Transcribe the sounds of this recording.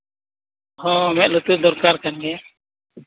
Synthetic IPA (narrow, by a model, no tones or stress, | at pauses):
hɔ̃mɛʔ̪̚lut̪ud̪ɔɾkaɾkanɡɛ